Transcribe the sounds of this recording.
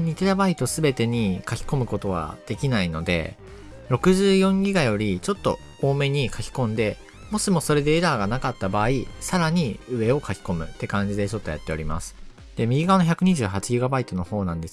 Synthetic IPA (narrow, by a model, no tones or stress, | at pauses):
ɲ̟it̪eɾabait̪o̞sɨbe̞t̪e̞ɲ̟ikakʲi̥ko̞mɯ̟ko̞t̪o̞β̞a̰d̪̥e̞kʲinaino̞d̪e̞̰ | ɾo̞kɯ̟ʑɨːjõ̞ŋɡʲiɡajo̞ɾʲit͡ɕo̞t̪ːo̞̰ | oːme̞ɲ̟ikʰakʲi̥kõ̞nd̪e̞ | mo̞simo̞so̞ɾe̞d̪e̞ːd̪aːɡanakat̪ːabaːisaɾaɲ̟iɯ̟e̞o̞kakʲi̥ko̞mɯ̟t̪ːe̞kãɲ̟d͡ʑid̪e̞t͡ɕo̞t̪ːo̞ja̰t̪ːe̞o̞ɾʲima̰sɨ̥ | d̪̥e̞mʲiɡʲiɡaβano̞çʲakɯ̟ɲ̟iʑɨ̟ːɦat͡ɕiɡʲiɡabait̪o̞no̞ho̞ːnãnd̪e̞s